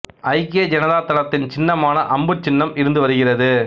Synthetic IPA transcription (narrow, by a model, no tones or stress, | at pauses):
ɐɪkeːd͡ʒɛnɐðaːt̪ɐlɐt̪ːɪnt͡ʃɪnːɐmaːnɐʔɐmbɯt͡ʃːɪnːɐmɪɾɯnd̪ɯʋɐɾɯɣɪrɐðɯ